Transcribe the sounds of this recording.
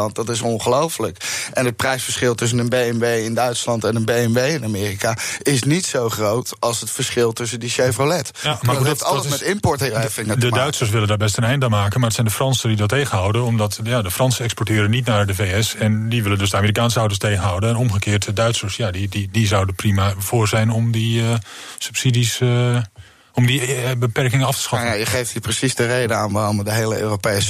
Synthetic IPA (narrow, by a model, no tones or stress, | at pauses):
ɑnt̚dɑtɪs̬ɔnχəlowfələkʔɛnət̚prɛjsfəɹsχɪlˠtɵs̬ənənbejɛmʋejɪndœɥtslɑntɛnənbejɛnʋejɪnamɪːrikaɪsnitsowχrowtɑlˠsɦətfəɹsχɪlˠtɵs̬əndiʃevrolɛtamaɑlmɛtɪmpɔɹtɪɛfɪndədœɥtsəɹs̬ʋɪləndaːɹbɛstənɛjndaːnmaːkənmaɹdətsɛjndəfrɑnsədidɑtːejχənɦɑwdənɔmdɑtjadəfrɑnsəɛkspɔɹtɪːɾənitnaɹdəfeːɛsɛndiʋɪləndøsdəamɪːrikaːnsəawtəstejɣənɦɔwdənɛnɔmɣəkɪːrtdœɥtsəɹsjadididizɔwdəprimav̥ʊːɹzɛjnɔmdi | sy̥psidis | ɔmdibəpɛrkɪŋəɑftə̥sχɑjajəχejfthiprəsisdəreːdəanʋaɔmdəɦeːləø̰ːropeːs